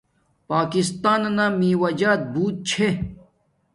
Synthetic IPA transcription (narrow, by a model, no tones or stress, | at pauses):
paːkist̪aːnnãmĩːwɐd͡ʑaːt̪̚buːt̪̚t͡ɕʰe